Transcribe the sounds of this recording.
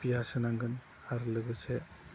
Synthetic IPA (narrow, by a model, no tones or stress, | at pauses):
piasɯnaŋɡɯn | aɾlɯɡɯse